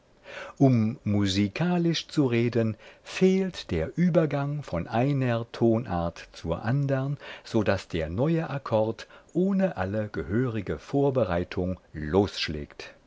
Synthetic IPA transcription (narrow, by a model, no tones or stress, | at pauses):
ʔʊmːuzikʰaːlɪʃt͡suʁeːdənfeːltd̥eːɐʔyːbɐɡaŋfɔnʔaɪnɐtʰoːnʔa̰ɐtt͡suːɐʔandəʁnz̥oːdasd̥eːɐnɔʏəʔakʰɔɐtʔoːnəʔaləɡ̥əhøːʁɪɡəfoːɐbəʁaɪtʰʊŋloːsʃlɛ̰ːkt